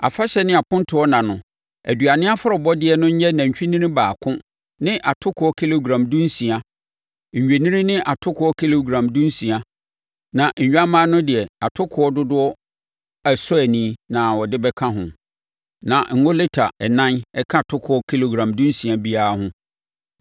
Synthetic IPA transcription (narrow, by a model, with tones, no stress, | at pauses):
a̰˨fa˦ɕɛ˦nɪ̃˦a˨pʊ̃˦ntʰʊ˨ɔ˦nã˨nʊ̃˨ | æ̰˨du˨a˨nɪ̃˦a˦fʊ˦ɾɔ˨bɔ˦dɪ˦ɛ˨nʊ̃˦ɲ̩˦ɲɛ˦nã˨ɲ̩˨t͡ɕᶣi˦nĩ˦ɾĩ˦baː˨kʰʊ̃˦ | nɪ̃˦ʔa˨tʰʊ˦kʰʊ˨˦ɔ˦kʰi˦lo˨ɡɾã˨mdʊ̃˦n˦sĩ˨a˦ | ɲ̩˨ɲᶣe˨nĩ˦ɾĩ˦nɪ̃˦ʔa˨tʰʊ˦kʰʊ˨˦ɔ˦kʰi˦lo˨ɡɾã˨mdʊ̃˦n˦sĩ˨a˨ | nã˨ɲ̩˨ɲᶣ˦a˦mãː˦nʊ̃˦dɪ˨ɛ˨a˨tʰʊ˦kʰʊ˨˦ɔ˦dʊ˦dʊ˦ɔ˦ | æ˨sʊ˦æ˨nĩː˦nã˨wɔ˨dɪ˦bɛ˦kʰã˦ɦʊ̰̃˨ | nã˨ŋ̩˨ŋɔ˦lɪ˦tʰa˨ɛ˨nã˦nɛ˦kʰã˦˨tʰʊ˦kʰʊ˨˦ɔ˦kʰi˦lo˨ɡɾã˨mdũ˦n˦sĩ˨a˦bi˦a˦a˦hʊ̃˦